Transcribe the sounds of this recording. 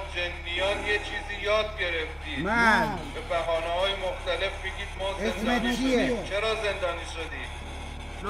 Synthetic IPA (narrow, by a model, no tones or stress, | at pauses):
d͡ʒendijɒːt̪jet͡ʃʰiːziːjɒːd̪̚ɡe̞ɾeft̪iːmæbebæɦɒːnehɒːjemoxt̪æle̞fmikʰiːd̪mɒːzenmeed̪iet͡ʃʰeɾɒːze̞nd̪ɒːniːʃod̪iːd̪̥